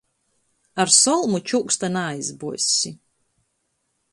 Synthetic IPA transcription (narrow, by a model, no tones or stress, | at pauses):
aɾsɔlˠmut͡ʃukst̪anajzbusʲi